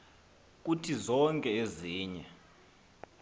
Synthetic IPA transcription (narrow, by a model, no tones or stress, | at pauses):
k̬ʼutʰizɔŋkʼɛeziːɲɛ